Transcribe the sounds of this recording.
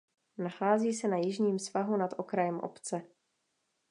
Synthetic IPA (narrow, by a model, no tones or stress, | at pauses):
naxaːziːsɛnajɪʒɲiːmsvaɦunat̪ʔokɾajɛmʔo̰pt͡sɛ